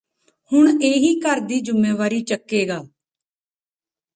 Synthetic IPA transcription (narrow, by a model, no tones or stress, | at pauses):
hʊɳeːɦiːkəɾd̪iːd͡ʒʊmːeːʋaːɾiːt͡ʃəkːeːɡaː